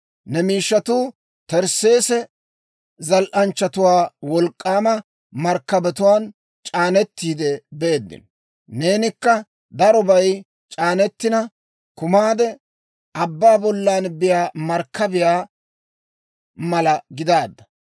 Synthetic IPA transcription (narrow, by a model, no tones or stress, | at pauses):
nɛmiːʃːɐt̪uː | t̪ɛɾse̞ːsɛ | zɐlʔɐnt͡ʃːɐt̪ʊwaːwɔlkʼːaːmɐ | mɐɾkːɐbɛt̪ʊwaːn | t͡ʃʼaːnɛt̪ːiːd̪ɛbe̞ːd̪ːɪ̰n | ne̞ːnɪkːɐ | d̪ɐɾɔbɐj | t͡ʃʼaːnɛt̪ːɪnɐ | kʊmaːd̪ɛ | ɐbːaːbɔlːaːnbɪjaːmɐɾkːɐbɪjaː | mɐlɐɡɪd̪aːd̪ːɐ̥